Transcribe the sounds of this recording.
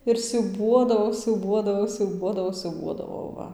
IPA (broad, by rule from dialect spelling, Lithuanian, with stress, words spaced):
ɪr sʲuːˈbuɔdɐʋɐʊ sʲuːˈbuɔdɐʋɐʊ sʲuːˈbuɔdɐʋɐʊ sʲuːˈbuɔdɐʋɐʊ ˈʋɐ